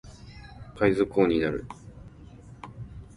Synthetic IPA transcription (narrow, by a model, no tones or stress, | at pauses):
kaizɨko̞ːɲ̟inaɾɯ̟̰